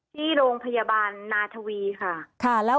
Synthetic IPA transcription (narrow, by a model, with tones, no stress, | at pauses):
t̪ʰiː˥˩ɾoː˧ŋpʰa˧jaː˧baː˧nːaː˧t̪ʰa˧wiː˧kʰa˥˩kʰa˥˩lɛː˦˥